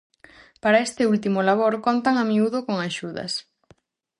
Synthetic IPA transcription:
paɾaest̪ɪult̪imolaβ̞oɾkont̪aŋamiuð̞okoŋaʃuðɐ̰s

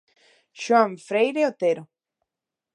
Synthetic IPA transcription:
ʃwãɱfɾejɾeot̪eɾo

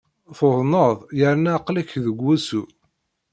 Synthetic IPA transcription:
θoðˤnəðˤjəɾnæqlæçðəɡʷːæsu

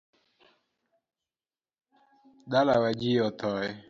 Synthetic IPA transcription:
dalawad͡ʒijɔt̪ɔɛ

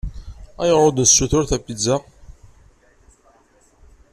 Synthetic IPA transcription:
æjəʁɾˤod̪nsːuθʊɾθæpːizæ

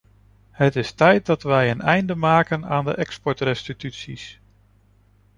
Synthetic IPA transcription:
hətɪstɛjt̚dɑtʋɛjənɛjndəmaːkənaːndə̰ʔɛkspɔɹtrɛstitytsḭs

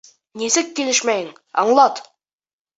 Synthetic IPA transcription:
nisɘkːilɘʃmæjɘŋ | ɑ̰ɴlˠɑt̪

